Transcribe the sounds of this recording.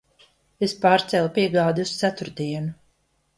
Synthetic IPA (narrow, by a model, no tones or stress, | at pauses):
espaːɾt̪sɛlˠpiɛɡaːd̪iust̪sæt̪uɾd̪iɛnu